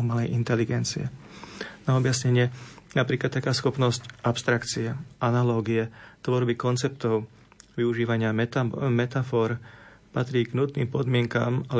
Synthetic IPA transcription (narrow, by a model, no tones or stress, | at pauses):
malɛjʔint̪ɛliɡɛnt͡sḭɛ̰ | naɔbjasɲɛɲɪɛnapɾiːklat̪ːakaːsxɔpnɔscʔapst̪ɾakt͡siɛʔanalɔːɡiɛt̪ʋɔɾbikɔnt͡sɛp̚t̪ɔʊ | ʋiuʒiːʋaɲɪamɛt̪afɔːɾpat̪ɾiːɡnut̪niːmpɔd̪mɪɛŋka̰ːmal